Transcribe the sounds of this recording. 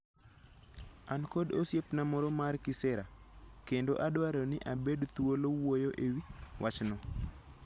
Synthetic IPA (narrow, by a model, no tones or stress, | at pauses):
ankodo̰sjepnamɔɾomarkɪsɛɾakendoʔadwaɾonɪʔabedt̪uwolowojoʔewiwʔat͡ʃnɔ